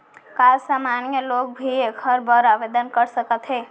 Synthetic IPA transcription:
kalsamanjəlok̚bʱiekʰəɾbəɾabed̪ənkəɾsəkət̪ɦe

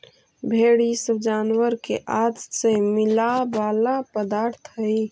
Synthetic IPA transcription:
bʱeɽisəbd͡ʒaːnwəɾkḛʔad͡ʒsemɪlabaːlapəd̪aːɾt̪ʰɦəi

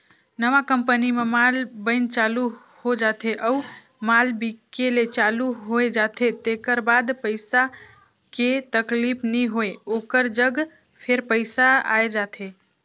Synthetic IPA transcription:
nəʋakəmpənimemalbənt͡ʃalu | hod͡ʒat̪ʰeʔəu | malbikelet͡ʃaluɦoed͡ʒat̪ʰet̪ekəɾbad̪pəɪsa | ket̪əklipʰniɦoeokəɾd͡ʒəɡ | pʰeɾpəɪsaa̰ed͡ʒat̪ʰe

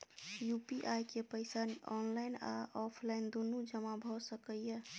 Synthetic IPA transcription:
jupiʔajkepəɪsanɔ̰nlaɪna̰ʔɔpʰlaɪnd̪onud͡ʒəmabʱɔsəkəje

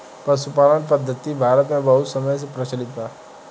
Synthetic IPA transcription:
pəɾsupaːlənpəd̪ʱːət̪ibʱaːɾət̪mẽbəɦut̪səməjs̬epɾət͡ʃəlit̪a

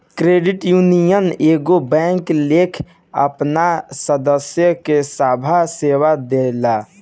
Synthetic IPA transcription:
kɾeːɖɪʈjunijəneːɡobɛ̃ŋklekʰ | ə̰pnasəd̪əsjəkesaːbʱasewad̪ela

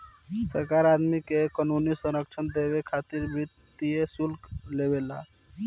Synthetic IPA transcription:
səɾkaɾad̪mikekənunisəɾək̚t͡ʃʰənd̪ebekʰat̪iɾbɾit̪ː | iesulklebela̰

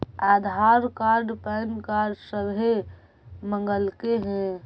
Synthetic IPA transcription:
ad̪ʱaɾkaɾɖpəɪnkaɾɖsəɾɦe | məŋɡəlkeɦɛ̃

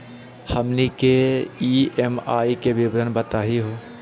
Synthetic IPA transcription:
həmnikeiemaːikeʋɪbɾənbət̪aːɦiɦoː

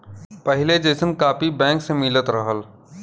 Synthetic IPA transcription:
pɛɦɪled͡ʒeːsənkaːpibɛ̃ːŋksemɪlət̪ɾəɦəl

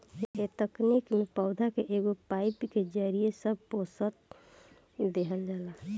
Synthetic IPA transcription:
et̪əknikmepəʊd̪ʱakeʔeɡopaɪpked͡ʒaɾijesəb̚ʱposət̪̚ | d̪eɦəld͡ʒaːla

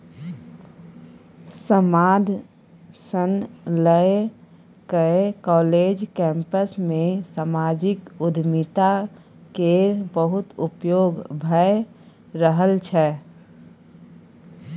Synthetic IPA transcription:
səmaːd̪ʱ | sənləe | kəekɔːled͡ʒkɛ̃mpəsmẽsamaːd͡ʒɪkʊd̪ʱmit̪a | keɾbəɦʊt̪ʊpjoːɡbʱəe | ɾəɦəlt͡ʃʰɛ

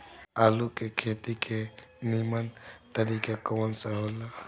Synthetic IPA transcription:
alukekʰet̪ikʰenimənt̪əɾikakəwənsəɦola

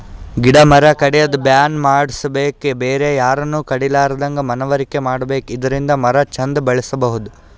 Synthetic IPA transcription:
ɡiɽɐmɐɾɐkɐɽɛjɐd̪ubjaːnmaːɽisɐbe̞ːkebeːɾejaːɾɐnːuːkɐɽilaːɾɐd̪ɐŋɡɐmɐnɐʋɐɾikemaːɽɐbe̞ːkid̪ɐɾind̪ɐmɐɾɐt͡ʃɐnd̪ɐbɐɭisɐbɐɦud̪u

